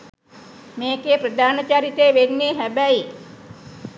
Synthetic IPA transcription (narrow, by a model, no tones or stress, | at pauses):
meːkeːprəd̪ʱaːnət͡ʃaɾit̪əjʋenːeːɦæbæi